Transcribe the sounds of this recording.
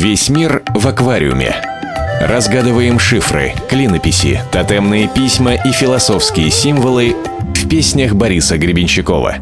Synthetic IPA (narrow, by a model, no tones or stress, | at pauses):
vʲesʲmʲirvɐkvaɾʲɪ̰ʊ̰mʲɪ̰ | rɐzɡad̪ɨvəjɪmʂɨfrɨ̰klʲinəpʲɪsʲɪ̰t̪ɐt̪ɛmnɨjəpʲisʲməʔifʲɪlˠɐso̞fskʲɪjəsʲimvəlˠɨ | fpʲesʲnʲəxbɐɾʲisəɡɾʲɪbʲɪnʲt͡ɕɪko̞̰və̰